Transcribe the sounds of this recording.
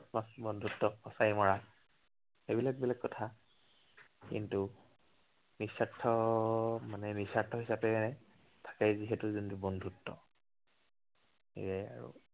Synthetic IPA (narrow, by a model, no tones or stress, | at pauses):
tmasbɔndʱutːɔɔsajmɔɹa | xebilak̚bilakːɔtʰa | kḭntu | nisatʰɔ | manɛnisatʰːɔɦisapɛ | tʰḁkɛjziɦɛtuzuntubɔndʱutːɔ̰ | ḛjɛa̰ɹṵ